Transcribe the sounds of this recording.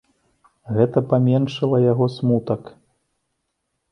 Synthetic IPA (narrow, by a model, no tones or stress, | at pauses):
ɣɛt̪ɐpamʲɛnʂɐlˠɐjaɣɔsmut̪ɐk